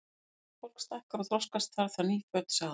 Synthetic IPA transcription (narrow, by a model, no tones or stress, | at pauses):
fowl̥kst̪ahkaɾɔθɾɔskast̪θaɾ̥θaɾniːfœt̪saːð